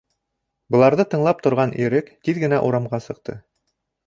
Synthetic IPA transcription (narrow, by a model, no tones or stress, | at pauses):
bɤ̆lˠɑɾðɤt̪ɤ̆ɴlˠɑp̚t̪ŏɾʁɑnʔiɾɘkt̪iðɡɘ̆næʔuɾɑmʁɑsɤ̆q̚t̪ɤ